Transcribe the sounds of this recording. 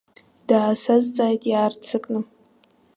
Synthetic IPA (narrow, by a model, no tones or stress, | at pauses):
d̥aːsazt͡sʼaːjtʼjaːrt͡sʰɨkʼnɨ